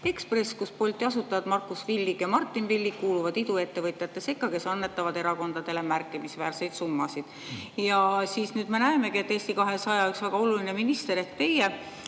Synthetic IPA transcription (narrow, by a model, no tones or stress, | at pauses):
e̞kspre̞skuspo̞lʲt̪ːˑiɑsut̪ːˑɑvɑd̪mɑrkːˑusvilʲːiɡjɑmɑrt̪ˑːinvilʲːikkːuːluvɑd̪̥id̪ue̞t̪ːe̞vɤt̪ʲˑjɑt̪ːˑe̞se̞kːˑɑke̞sɑnːe̞t̪ːˑɑvɑd̪̥e̞ɾɑko̞nd̪̥ɑd̪̥e̞le̞mærkˑːimisvæːrse̞jd̪sumːɑsid̪̥ | jɑsiːsnyːd̪me̞næeme̞kie̞t̪ːˑeːst̪ikɑɦe̞sɑjɑyksvæɡ̥ɑo̞luline̞minist̪e̞ɾe̞hkt̪e̞je